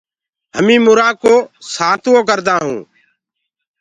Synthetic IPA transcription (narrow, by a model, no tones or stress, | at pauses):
ɦəmĩːmʊɾaːkoːsaːt̪ːoːkəɾd̪aːɦũː